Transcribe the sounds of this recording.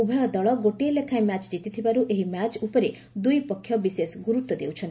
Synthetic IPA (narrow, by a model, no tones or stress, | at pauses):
ubʱɔjɔd̪ɔɭɔɡoʈeelekʰaemat͡ʃd͡ʒit̪it̪ʰibaɾuʔeɦimat͡ʃupɔɾe | d̪ujpɔkʰːjɔbisesɡuɾut̪ːɔd̪ewt͡ʃʰɔ̃n